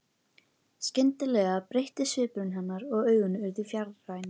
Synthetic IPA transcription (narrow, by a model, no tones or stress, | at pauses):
scɪnt̪ɪlɛɣapɾejht̪ɪsʏːpʏɾʏnɦanːaɾɔɣœːɥɣʏnʏɾðʏfjaɾðrajn